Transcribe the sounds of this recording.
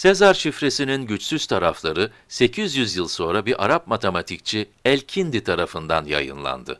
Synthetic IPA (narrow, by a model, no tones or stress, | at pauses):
se̞zaɾʃifɾe̞sininɟyt͡ʃsyz̥t̪ʰaɾaflˠaɾɯ | se̞cʰizjyzjɯlˠso̞nɾabiɾʔa̰ɾap̚mat̪ʰemat̪ʰic̚t͡ʃʰiɛlʲcʰind̪it̪ʰaɾafɯnd̪anja̰jɯ̰nlˠa̰nd̪ɯ̰